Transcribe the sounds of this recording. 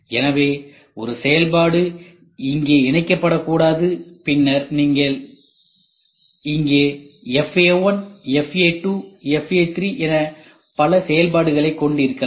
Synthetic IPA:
ɛnɐʋeː | ɔɾɯsɛjɐlpaːɽɯ | ɪŋɡeːɪɳɐɪkːɐpːɐɽɐkːuːɽaːðɯpɪnːɐɾniːŋɡɐɭ | ɪŋɡeːɛfewɐnɛfeːʈːuɛfeːt̪ɾiʔɛnɐ | pɐlɐsɛjɐlbaːɽɯɣɐɭɐɪkːɔɳɖɪɾɯkːɐ

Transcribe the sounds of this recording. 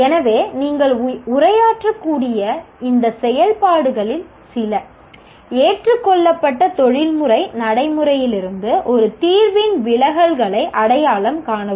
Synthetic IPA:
ɛnɐʋeːniːŋɡɐɭʊrɐjaːʈrɐkːuːɽɪjɐɪnd̪ɐsɛjɐlpaːɽɯɣɐɭɪl | sɪlɐ | eːʈrɯkːɔɭːɐpːɐʈːɐt̪ɔɻɪlmɯrɐɪnɐɽɐɪmɯɾɐjɪlɪɾɯnd̪ɯʔɔɾɯt̪iːɾʋɪnʋɪɭɐɣɐlɣɐɭɐɪʔɐɽɐjaːɭɐmkaːɳɐɯ

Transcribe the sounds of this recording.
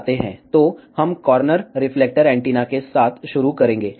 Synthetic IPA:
t̪eɦɛ̰̃t̪ohɐmkɔːɾnəɾɾɪfleːk̚ʈəɾɛ̃ːɳʈiːnakesaːt̪ʰʃʊɾukɐɾẽːŋɡeː

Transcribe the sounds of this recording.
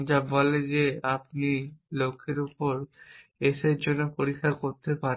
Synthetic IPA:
d͡ʑabɔled͡ʑeap̚nilokʰːeɾupoɾ | eʃeɾd͡ʑonːopoɾikʰːakoɾt̪epaɾ

